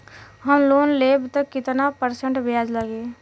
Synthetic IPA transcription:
ɦəmlonlebt̪əkɪt̪napəɾsəɳʈbʱad͡ʒləɡe

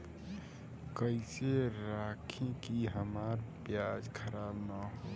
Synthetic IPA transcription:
kəɪseɾaːkʰikiɦəmaːɾpjaːd͡ʒkʰəɾaːbnaɦoː

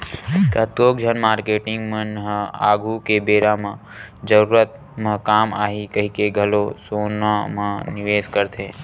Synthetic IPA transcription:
kət̪oːk̚d͡ʒʱənmaːɾkeːʈɪŋɡmənɦa̰ːɡʱukebeːɾamã | d͡ʒəɾuːɾət̪̚ | mə̃kaːma̰ːɦikəɦikeɡʱəlosoːnamɐ̃nɪʋeːskəɾt̪ʰeː

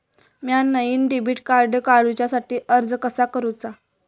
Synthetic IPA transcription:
mjanːəjiːnɖibʱiːʈkaɾɖəkaɽut͡ɕjasaʈiːəɾd͡zkəsakəɾut͡sa

